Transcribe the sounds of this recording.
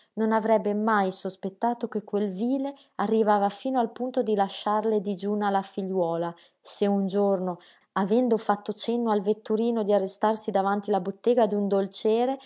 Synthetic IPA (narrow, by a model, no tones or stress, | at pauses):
nonavɾɛbːemajsospet̪ːaːt̪okekːwelviːle | arːivaːvafiːnoalpunt̪od̪ilaʃːarled̪id͡ʒuːnalafiʎːwɔːla | seund͡ʒorno | avɛnd̪ofat̪ːot͡ʃenːoalvet̪ːuɾiːnod̪iarːest̪arsid̪avant̪ilabot̪ːeːɡad̪und̪olt͡ʃɛːɾe